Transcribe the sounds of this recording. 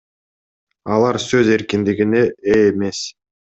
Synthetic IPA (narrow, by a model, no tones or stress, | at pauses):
ɑlˠɑɾsø̞ze̞ɾkind̪iɡine̞ʔeːme̞s